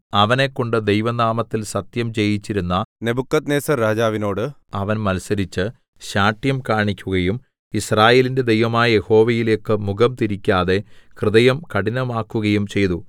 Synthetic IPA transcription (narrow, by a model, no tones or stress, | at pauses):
ɐʋɐne̞kːo̞ɳɖɨd̪ejʋɐnaːmɐt̪ːilsɐt̪jɐmt͡ɕe̞jit͡ɕːiɾunːɐne̞bukːɐt̪neːsɐɾaːd͡ʑaːʋino̞ːɽɨ | ɐʋɐnmɐlsɐɾit͡ɕːɨ | ɕaːʈjɐmkaːɳikʲːuɣɐjum | israːje̞ːlinde̞d̪e̞jʋɐmaːjɐje̞ho̞ːʋɐjile̞ːkːɨmuɡɐmt̪iɾikʲːaːðe̞krɨðɐjɐmkɐɽinɐmaːkːuɣɐjumt͡ɕe̞jt̪u